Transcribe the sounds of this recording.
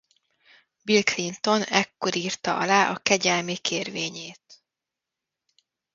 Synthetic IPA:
bilklint̪o̞nɛkːo̞ɾiːrt̪ɒʔɒ̰laːʔɒ̰kɛɟɛlmikʰeːrveːɲeːt̪

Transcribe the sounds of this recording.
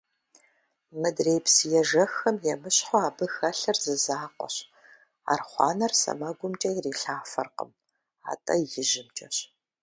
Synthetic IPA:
mɨdreːjpsijɛʒɐxɐmjɛmɨɕħoaːbɨxɐɬɐrzɨzaːqʷʼɔ̰ɕ | a̰ːrχʷɑ̰ːnɐrsɐ̰mɐɡʷʊmt͡ʃʼɐjreːɬaːfɐrqə̰m | a̰ːtʼɐjɪʒɪmt͡ʃʼɐɕ

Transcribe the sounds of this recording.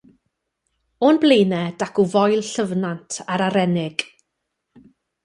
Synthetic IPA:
onblejnɛd̥akʊvɔjlˠɬəvnantʰaɾaɾɛnɪɡ̥

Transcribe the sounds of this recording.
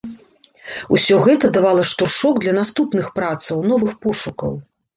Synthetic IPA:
usʲɔɣɛt̪ɐd̪avalˠɐʂt̪urʂɔɡd̪lʲɐnast̪upnɨxpɾat̪sɐwnɔvɨxpɔʂukɐ̰w

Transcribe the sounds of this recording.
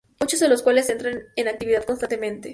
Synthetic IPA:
mut͡ʃozðe̞lo̞skwale̞se̞nt̪ɾanenak̚t̪iβiðað̥̚konst̪ant̪emẽnt̪e

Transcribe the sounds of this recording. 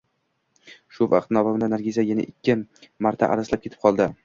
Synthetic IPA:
ʃʊva̰qt̪nɒvamnanaɾɡʲizʲajana̰ʔɪkʲʰːɪmaɾt̪ʰa̰ʔa̰ɾaslap̚kʲe̞t̪ʰɪ̥p̚qʰɒlˠd̪ɪ

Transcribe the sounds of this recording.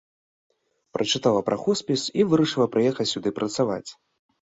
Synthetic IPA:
pɾʔɐt͡ʂɨt̪alˠɐpɾʔaxɔsʲpʲisivɨɾɐʂɨlˠɐpɾɨjɛxɐt͡sʲsʲud̪ɨpɾɐt̪sava̰t͡sʲ

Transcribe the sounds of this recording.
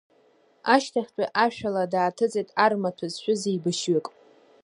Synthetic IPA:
aʃtʰaχʲtʷʼaʔaʃᶣaladaːtʰɨt͡sʼejtʼarmatʰazʃʷᶣʊzejbɨʃɥɪkʼ

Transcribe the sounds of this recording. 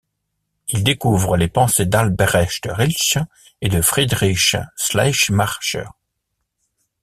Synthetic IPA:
ild̪ekuvʁəlepɑ̃sed̪albɛʁɛʃd̪əʁilt͡ʃ | ed̪əfχid̪ʁiʃslaʃmaʁʃœ̰ʁ

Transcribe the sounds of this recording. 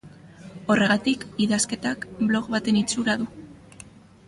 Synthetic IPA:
o̞re̞ɣat̪ikiðaske̞t̪akblo̞ɣβat̪e̞nit͡suɾaðu

